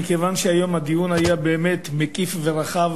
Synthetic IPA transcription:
ikevanʃeajo̞mhad̪ijunajabeːmet̪mekʼifveɾaχav

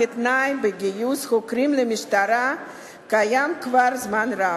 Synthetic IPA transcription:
et̪naimbeɡijusχokɾimlemiʃt̪aɾa | kajamkvaɾzmanɾa

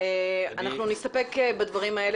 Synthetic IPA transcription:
eanaχnunist̪ɐpekebad̪vaʁimɐe̞l

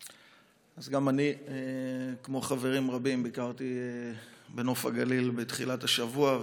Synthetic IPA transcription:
azɡamaniekmo̞χave̞ʁimʁabimbikaʁt̪iebeno̞fa̰ɡalilbet̪χilataʃavua

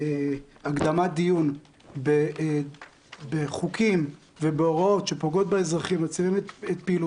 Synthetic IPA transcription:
eaɡd̪amad̪ijun | be | beχukʰim | vebeoʁao̞tʃe̞poɡo̞t̪̚beezʁaχimat͡siʁimetet̪piːlu

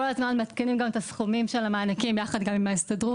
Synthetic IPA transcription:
olazmanmat̪kenimɡamet̪asχumimʃelamaːnakimjaχad̪ɡamimaist̪adʁu

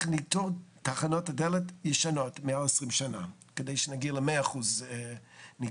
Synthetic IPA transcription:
nitoʁtaχanotadeletjəʃanotmeaesʁimʃana̰ | kedejʃenaɡiɐləmeaːχuz | ni

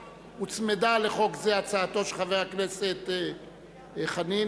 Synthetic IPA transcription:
ut͡smed̪aleχo̞kzeat͡saːt̪o̞ʃeχavejakneset̪ | χani

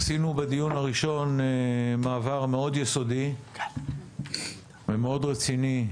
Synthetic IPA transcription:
sinubed̪ijunhaʁiʃo̞nemaːvaʁme̞o̞d̪jeso̞di | vemeo̞d̪ʁet͡sini

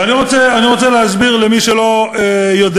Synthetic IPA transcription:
aniʁo̞t͡seaniʁo̞t͡seleɦazbiʁlemiʃelo̞ejod̪

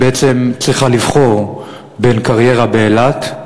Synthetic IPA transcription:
beet͡se̞mt͡sʁiχalivχo̞ʁ | be̞nkaʁje̞ʁabeːlat

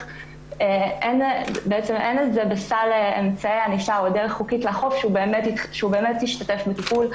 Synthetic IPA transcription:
eʔenbeet͡se̞mʔenezebesaleemt͡saeaniʃaodeʁeχːukitlaχo̞fʃeubeːmetjitʃeubeːme̞tjiʃtate̞fbekipul

